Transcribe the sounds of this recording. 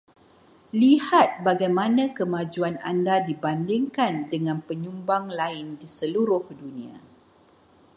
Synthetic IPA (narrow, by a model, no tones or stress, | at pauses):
lihat̪̚baɡajmãnãkəmãd͡ʒuanandadibandɪŋkandəŋãnpəɲumbaŋlaɪndisəluɾʊhdunĩa̰